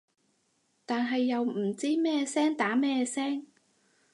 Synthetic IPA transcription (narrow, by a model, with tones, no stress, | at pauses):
t̪aː˨nɦɐ˨jːɐ˨wm̩˨˩t͡siː˥mɛː˥sɛː˥ŋt̪aː˨˥mɛː˥sɛː˥ŋ